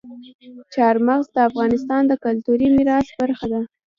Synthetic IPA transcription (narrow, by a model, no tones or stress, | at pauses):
t͡ʃɑɾmaɣzd̪əafɣɑnɪst̪ɑnd̪əkʊlt̪uɾimiɾɑsbaɾxad̪a